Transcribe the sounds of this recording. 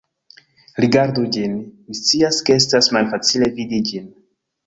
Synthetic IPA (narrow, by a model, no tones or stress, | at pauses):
ɾiɡaɾdud͡ʒinmist͡siaskees̬tasmalfat͡sile̞vidid͡ʒin